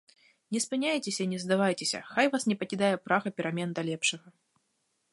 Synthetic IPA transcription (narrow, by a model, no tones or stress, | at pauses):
nʲɛspɨnʲajt͡sʲesʲɐnʲɛzd̪avajt͡sʲesʲɐ̰xajvasnʲɛpɐkʲid̪ajɛpɾaɣɐpʲiɾamʲɛnd̪ɐlʲɛpʂɐɣɐ